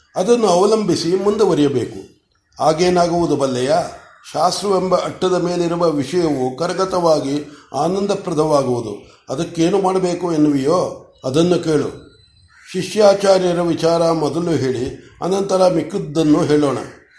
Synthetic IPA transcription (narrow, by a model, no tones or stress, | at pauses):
ɐd̪ɐnːuɐʋɐlɐmbʱisimund̪uʋɐɾijɐbe̞ːku | aːɡeːnaːɡuʋud̪ubɐlːɐjaː | ʃaːst̪ɾuʋɛmbɐʔɐʈːɐd̪ɐme̞ːliɾuʋɐʋiʂɐjɐʋukɐɾɡɐt̪ɐʋaːɡiaːnɐnd̪ɐpɾɐt̪ʰɐʋaːɡuʋud̪ṵ | ɐd̪ɐkːe̞ːnumaːɽɐbe̞ːkuenːuʋijoː | ɐd̪ɐnːuke̞ːɭṵ | ʃiʂjaːt͡ʃaːɾjɐɾɐʋit͡ʃaːɾɐmɔd̪ɐluɦe̞ːɭiɐ̰nɐnt̪ɐɾɐmikːid̪ːɐnːuɦe̞ːɭoːɳɐ̰